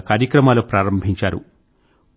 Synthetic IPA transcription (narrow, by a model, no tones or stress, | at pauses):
kaːɾjɐkɾɐmaːlupɾaːɾɐmbʱiɲt͡ʃaːɾṵ